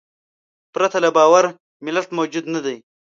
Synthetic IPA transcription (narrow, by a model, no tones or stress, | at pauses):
pɾat̪alabɑːwaɾ | mɪlat̪mowd͡ʒud̪nad̪aj